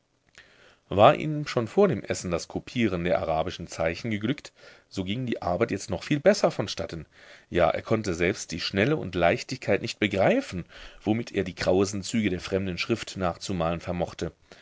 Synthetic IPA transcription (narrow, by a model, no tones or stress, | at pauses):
vaːɐʔḭːmʃoːnfoːɐdeːmʔɛsn̩daskʰupʰiːʁ̞əndeːɐʔa̰ʁaːbɪʃn̩t͡saɪçn̩ɡəɡlʏkt | z̥oːɡɪŋdiːʔa̰ɐbaɪtjɛt͡stnɔχfiːlbɛsɐfɔnʃtatənjaːʔḛːɐkʰɔntəzɛlpst̚d̥iːʃnɛləʊ̰ntlaɪçtɪçkʰaɪtnɪçt̚b̥əɡʁaɪfn̩v̥omɪtʰʔḛːɐdiːɡʁ̥aʊəsn̩t͡syːɡədeːɐfʁ̥ɛmdn̩ʃʁ̥ɪftnaːχt͡sumaːlənfɛɐmɔχtə